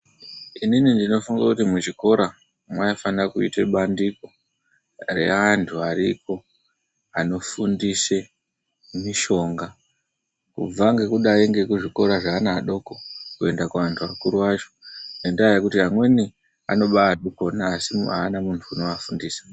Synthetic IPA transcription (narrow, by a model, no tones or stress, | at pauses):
ininindino̞fuŋɡakutimut͡ʃiko̞ɾa | mwaifanrakuḭteɓandiko | re̞̰ʋantʰuariko̞ | ano̞fundise̞ | miʃo̞ŋɡa | kṵb͡vaŋɡe̞kuɗaiŋɡe̞kuʐiko̞ɾaʐaːnaːɗo̞ko̞kue̞ndakuʋantʰuʋakuɾuwat͡ʃo̞nendaajekutiɦamwe̞ni | a̰no̞ɓaːɗuko̞naːsiaːnamuntʰuːno̞ʋafundiːsḁ